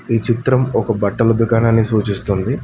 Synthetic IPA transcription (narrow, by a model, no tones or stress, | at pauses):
iːt͡ʃit̪ɾɐmɔkɐbɐʈːɐlɐd̪ukaːnaːnːisuːt͡ʃist̪und̪i